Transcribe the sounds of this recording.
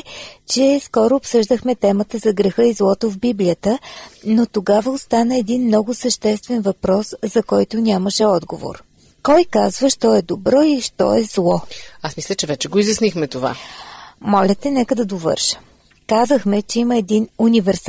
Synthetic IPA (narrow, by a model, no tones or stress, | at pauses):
t͡ʃɛskɔɾʊːpsɤʒd̪əxmɛt̪ɛmət̪əzɐɡɾɛxɤizlˠɔt̪ovbiblʲijət̪ənot̪oɡavəost̪anəɛd̪inmnɔɡʊsəʃt̪ɛst̪vɛnvɐpɾɔszɐkɔjt̪ʊnʲaməʃɛɔd̪ɡovo̰ɾ | kɔjkazvəʃt̪ɔɛd̪obɾɔiʃt̪ɔ̰ɛzlˠɔasmislʲət͡ʃɛvɛt͡ʃɛɡoizjɐsnixmɛt̪ova̰ | mɔlʲət̪ɛnɛkəd̪ɐd̪ovɤ̰ɾʃə̥ | kazəxmɛt͡ʃɛiməɛd̪inunʲivɛɾs